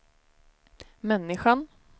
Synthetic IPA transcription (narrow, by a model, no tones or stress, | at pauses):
mɛnːɪɧan